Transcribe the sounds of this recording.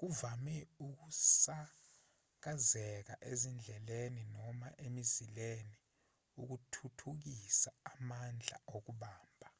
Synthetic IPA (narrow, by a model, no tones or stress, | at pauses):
k̬uvamɛuk̬usa | k̬azɛk̬a̰ʔezind͡ɮʱɛleninɔmaʔemizileni | uk̬utʰutʰuk̬isaːmand͡ɮʱa̰ok̬uɓaːmbʱa